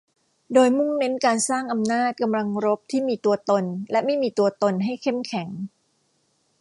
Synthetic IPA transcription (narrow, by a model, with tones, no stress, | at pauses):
doː˧jmu˥˩ŋne˦˥nkaː˧nsaː˥˩ŋʔa˧mnaː˥˩t̪̚ka˧mla˧ŋɾo˦˥p̚t̪ʰiː˥˩miː˧t̪u˧ɐt̪o˧nlɛ˦˥ma˥˩jmiː˧t̪u˧ɐt̪o˧nɦa˥˩jkʰe˥˩mkʰɛ˩˦ŋ